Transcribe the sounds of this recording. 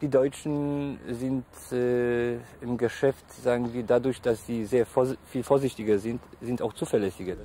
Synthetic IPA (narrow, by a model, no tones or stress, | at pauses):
d̥iːdɔʏt͡ʃn̩zɪntː | ɪmɡəʃɛftz̥aːɡŋ̩viːɐdadʊɐçd̥asz̥iːzeːɐfiːlfoːɐzɪçtɪɡɐzɪntz̥ɪntaʊxt͡suːfɛɐlɛsɪɡɐ